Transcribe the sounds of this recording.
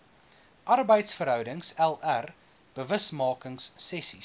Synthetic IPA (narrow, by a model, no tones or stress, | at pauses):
ʔɐrbəjtsfəɾɦœwdəŋsɛlær | b̥əvəsmɑːkəŋsːɛsi